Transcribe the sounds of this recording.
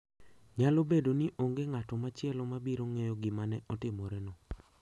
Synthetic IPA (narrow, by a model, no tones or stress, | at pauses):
ɲalobedoniʔoŋɡeŋatɔmat͡ʃɪɛlɔmabiɾoŋejɔɡɪmanɛʔɔtɪmɔɾɛnɔ